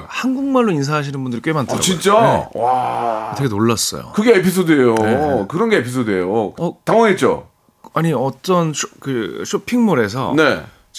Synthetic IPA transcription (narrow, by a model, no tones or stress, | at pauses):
hanɡuŋmaɭːoins̬ʰaɦaɕ̬ʰinɯnbundɯɾik͈ɥe̞mantʰɯɾa̰t͡ɕint͡ɕ͈aḛwatʰʌɡenoɭːas͈ʌ̰jo̰kɯɡe̞epʰis̬ʰodɯejokɯɾʌnɡe̞epʰisʰodɯejoʌtaŋwʌŋet͡ɕ͈o̰ | aɲiʌt͈ʌnɕʰkɯɕʰopʰiŋmoɾe̞s̬ʰʌ̰ne̞